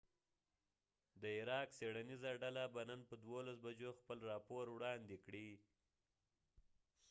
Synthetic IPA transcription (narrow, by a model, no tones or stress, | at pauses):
d̪əɪɾɑkseɽanizaɖalabanənpəd̪wolas̬bad͡ʒoxpəlɾɑpoɾwɽɑnd̪ekɽi